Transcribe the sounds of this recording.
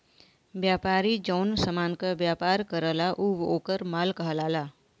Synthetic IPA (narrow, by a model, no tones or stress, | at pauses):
bjaːpaːɾid͡ʒɔnsəmaːnkəbjaːpaːɾkəɾəlaʔuʋoːkəɾmaːlkəɦlaːlaː